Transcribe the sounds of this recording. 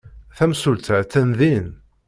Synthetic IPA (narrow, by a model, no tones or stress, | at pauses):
θæmsult̪t͡s̪ːænðin